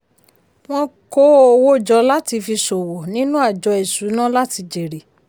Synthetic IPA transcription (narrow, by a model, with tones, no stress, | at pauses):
w̃ɔ̃˦˧ko˦o˨wo˦˨d͡ʒɔ˧la˦ti˧fi˧so˨wɔ˨nĩ˦nũ˦a˦˨d͡ʒɔ˧ɛ˨su˨˦nã˦la˦ti˧d͡ʒe˨ɾe˨